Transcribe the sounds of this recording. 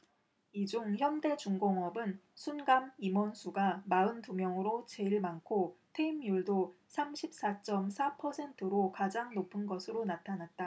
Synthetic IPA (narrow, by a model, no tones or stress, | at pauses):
id͡ʑuŋçjʌmde̞d͡ʑuŋɡoŋʌbɯnsʰunɡamimʌnsʰuɡamaɯntumjʌŋɯɾot͡ɕe̞iɭmankʰotʰe̞imiuɭdo | sʰamɕʰip̚s͈at͡ɕ͈ʌmsʰapʰʌsʰe̞ntʰɯɾokad͡ʑaŋnopʰɯnɡʌsʰɯɾonatʰanat̚t͈a